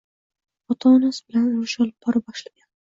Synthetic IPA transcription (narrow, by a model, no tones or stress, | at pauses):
ɒt̪ʰanasbɪlanʊɾɪʃɒlˠɪpb̚bɒɾab̚bɒʃlaɡʲan